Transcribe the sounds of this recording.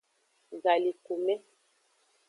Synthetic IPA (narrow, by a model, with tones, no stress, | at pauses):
za˨li˨ku˨mɛ˦